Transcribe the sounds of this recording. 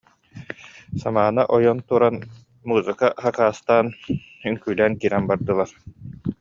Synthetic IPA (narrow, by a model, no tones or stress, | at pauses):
samaːnaʔɔjɔnt̪uɾan | muːzɯkaχakaːst̪aːn | yŋkyːlæːnkiːɾɛnbaɾd̪ɯlˠaɾ